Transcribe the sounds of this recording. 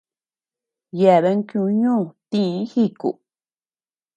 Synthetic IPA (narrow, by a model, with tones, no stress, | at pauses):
je˧˨βe˧˦ŋ˦kjũ˧ɲũː˦˨t̪ĩ˦hi˦˨kṵ˨